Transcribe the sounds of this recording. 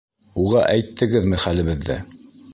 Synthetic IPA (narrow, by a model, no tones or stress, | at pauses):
uʁɑʔæjt̪ʰːɘ̆ɡɘðmɘχælɘ̆βɘ̆ðːæ̰